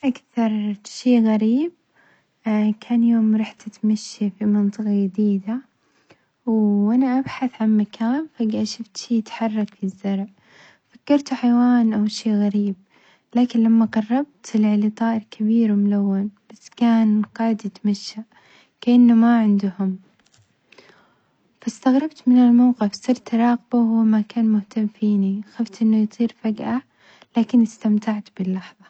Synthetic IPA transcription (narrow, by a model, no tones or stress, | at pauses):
ʔakθɑɾˤʃeːɣaɾiːb̚ | kʰaːnjoːmɾˤɑːħt̪at̪maʃːifimɪnt̪ˤɨqɑjɪd̪iːd̪a | wʔanaʔabħaθʕanmakʰaːnfaɡʔaʃʊft̪ʃiːt̪ħɑrˤːɑkfizːɑɾˤʕ | fakːɑɾˤt̪ħajwaːnʔawʃeːɣaɾiːb̚ | laːkɪnlamːaqɑrˤːɑb̚t̪ɪlʕlit̪ˤɑːʔɪɾkʰabiːɾwɪmʊlawːanb̥asːkaːnqɑʕɪd̪jɪt̪maʃːa | kaʔanːʊmaʕɪnd̪ʊhʊm | fast̪aɣɾˤɑb̚t̪mɪnɪlmawqɪfsˤɨɾˤt̪ɾˤɑːɣbawhʊwːmakaːnmʊht̪amfiːnixaft̪ʔɪnːʊjt̪ˤiːɾfaɡʔa | laːkɪnɪst̪amt̪aʕt̪bɪlːɑħðˤɑ